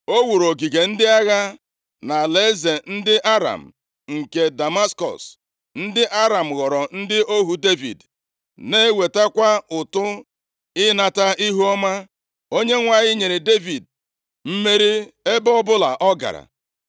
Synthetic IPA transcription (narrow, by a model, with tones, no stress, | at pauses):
o˦wu˨ɾo˨ɡi˨ɡe˨n̩˦dɪ˦a˦ɣa˦ | na˨le˨˦ze˨n̩˦dɪ˦ʔa˦ɾa̰˨m̩˨ | ŋ̩˨ke˨da˨ma˦skɔ̰˨s | n̩˦dɪ˦ʔa˦ɾa˨m̩˨ɣɔ˨ɾɔ˨n̩˦dɪ˦ʔo˦ɦu˨de˦vḭ˨d | ne˦we˨ta˦kʷa˦ʊ˨tʊ˦ | ɪ˦na˨ta˦ʔi˦ɦu˦ɔ˦ma˦ | o˦ɲe˦ŋʷa˨ɲɪ˦ɲe˨ɾe˨de˦vi˨d̚ | m̩˦me˦ɾi˦e˦bɔ˦bʊ˦la̰˨ʔɔ˦ɡa̰˨ɾa̰˨